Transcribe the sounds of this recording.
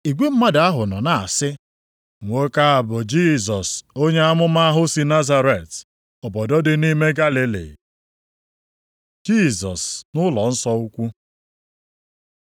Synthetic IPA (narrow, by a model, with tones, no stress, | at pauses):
i˨ɡʷe˦m̩˦ma˦da˨a˦ɦʊ˨nɔ˨na˨a˨sɪ˦ | ŋʷo˦ka˦a˨bʊ˨d͡ʒi˦˨zɔ˨so˦ɲe˦a˦mʊ˦ma˦ɦʊ˦si˦na˦za˦ɾe˨t | ɔ˨bɔ˨dɔ˦dɪ˦ni˦me˦ɡa˦li˨lḭ˨ | d͡ʒi˦˨zɔ˨snʊ˦lɔ˨n̩˦sɔ˦u˦kʷu˦